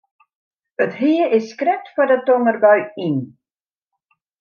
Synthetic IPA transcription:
ətɦiəɪsːkrɛk̚tfɔdətɔŋərbœɥin

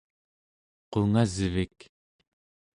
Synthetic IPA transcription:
qoŋazəvik

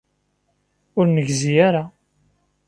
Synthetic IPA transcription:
ʊɾnəʝzijaɾa

